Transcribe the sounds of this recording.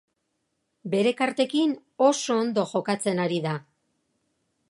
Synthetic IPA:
be̞ɾe̞kaɾt̪e̞kin | o̞so̞ːnd̪o̞ʝo̞kat͡se̞naɾiða

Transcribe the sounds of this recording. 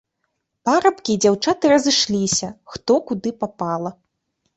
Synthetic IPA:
paɾɐpkʲiːd͡zʲawt͡ʂat̪ɨɾɐzɨʂlʲisʲɐxt̪ɔkud̪ɨpapalˠɐ

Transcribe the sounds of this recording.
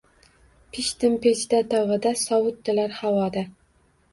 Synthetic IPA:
pʰɪʃt̪ɪmpʰet͡ʃd̪at̪ɒʁɨd̪asɒwʊt̪ːɪlaɾhawɒd̪a

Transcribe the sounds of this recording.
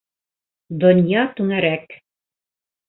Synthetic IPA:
d̪ŏnjɑt̪ʉŋæɾæk

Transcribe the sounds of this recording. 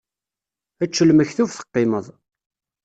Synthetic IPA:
æt͡ʃːəlməçθufθə̥qːɪməðˤ

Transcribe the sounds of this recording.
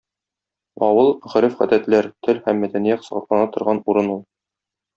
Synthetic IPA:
ɒwɤlˠʁɵ̆ɾɘfχæd̪æt̪læɾt̪ʰɘlhæmːæd̪ænijætsɤ̆ʁɑ̆t̪lˠɑnɑt̪ŏɾʁɑnuɾɤnulˠ

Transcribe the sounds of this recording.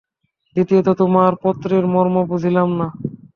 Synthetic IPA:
d̪it̪iet̪ot̪omaɾpɔt̪ːɾeɾmɔɾmobud͡ʑʱilamna

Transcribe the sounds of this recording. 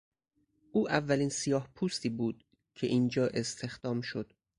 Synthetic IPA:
ʔuːʔævːæliːnsijɒːhpʰuːst̪iːbuːd̪ | cʰe̞ʔiːnd͡ʒɒːʔe̞st̪ʰe̞xd̪̥ɒːmʃo̞d̪̥

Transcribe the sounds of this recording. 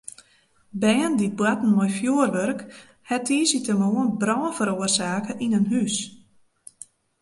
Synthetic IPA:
bɛːndibwatn̩mɔjfjuərʋørk | hɛtʰiːsitəmoənbrɔːnfəɾoərsaːkəʔinənɦys

